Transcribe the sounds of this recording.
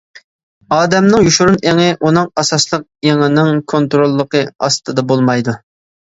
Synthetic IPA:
ɑːd̪ɛmnɪŋjuʃuɾuneŋɪʔunɨŋɑsɑslˠəq̚eŋɪnɪŋkʰont̪ɾolˠːəqʰəɑ̰st̪ʰɨd̪ɑbolˠmɑjd̪u

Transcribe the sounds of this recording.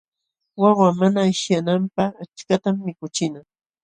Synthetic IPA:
wɑwamanaɪʃjanampɑat͡ʃkat̪amːɪkʊt͡ʃɪna

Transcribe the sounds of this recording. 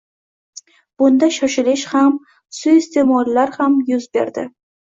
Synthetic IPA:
b̥ʊnd̪aʃɒʃɪlɪʃham | sʊst̪ʰe̞mɒɾlaɾhamjʊzbe̞̰ɾd̪ɪ

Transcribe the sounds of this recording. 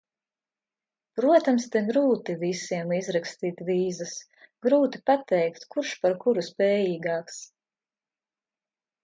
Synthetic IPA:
pɾuɔt̪amst̪ɛɡɾuːt̪ivisiɛmizɾakst̪iːt̪viːzas | ɡɾuːt̪i̥pat̪ɛjkt̪kuɾʃpaɾkuɾuspɛːjiːɡɑːks

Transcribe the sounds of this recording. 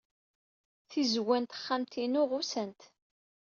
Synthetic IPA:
θizwænt̪χːamt̪ʰinʊʁʊsənt̪

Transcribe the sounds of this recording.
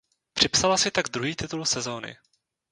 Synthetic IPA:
pr̥ɪpsalasɪt̪aɡd̪ɾuɦiːt̪ɪt̪ulsɛzo̞nɪ̰

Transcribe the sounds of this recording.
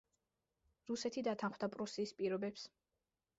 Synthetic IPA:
ɾusɛt̪ʰid̪at̪ʰanχwd̪apʼɾusiːspʼiɾɔbɛps

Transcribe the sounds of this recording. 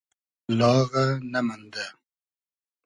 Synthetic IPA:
lɑːɣanamand̪a

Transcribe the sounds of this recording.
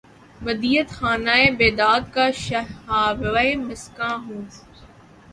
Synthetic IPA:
bɐd̪iːət̪xaːnaːebeːd̪aːd̪kaːʃɐaːɾemɐskãːɦũː

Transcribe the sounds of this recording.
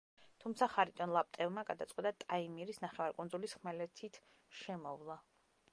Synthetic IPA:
t̪ʰumt̪sʰaχaɾit̪ʼɔnlˠap̚ʼt̪ʼɛlmaɡad̪at̪sʼqʼwɛt̪ʼat̪ʼaimiɾisnaχɛvaɾkʼund̪zulisχmɛlɛt̪ʰit̪ʰ | ʃɛmɔvlˠa

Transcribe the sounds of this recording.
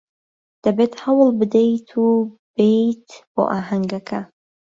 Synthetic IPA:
d̪̥ɐbet̪hɐwlˠbɨd̪ejt̪ʰub̥ejt̪bo̰ʔaːɦɐŋɡɐkʰɐ

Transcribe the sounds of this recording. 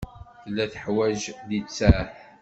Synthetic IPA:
θlːæθə̥ħwæʒðit͡sːæħ

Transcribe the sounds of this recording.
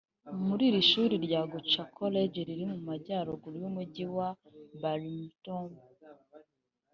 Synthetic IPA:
muɾiːɾiʃuːɾiɾɟaɡut͡ʃakʰoleɟeɾiɾimumaɟaːɾoɡuɾjumuɟiwa | baɾimtom

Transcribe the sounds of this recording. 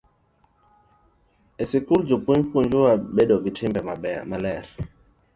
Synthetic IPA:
esɪkuɾd͡ʒopuɲpuɲd͡ʒuaɓeɗɔɡitʰɪmbɛmamalɛɾ

